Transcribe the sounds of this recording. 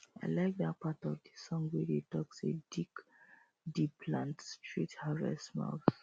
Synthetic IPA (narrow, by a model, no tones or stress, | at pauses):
aɪlaɪk̚dat̚patɔvdisɔ̃ŋwedetɔksedik | dipʰlãntstʰɹithaɹɛ̰sma̰ʊθ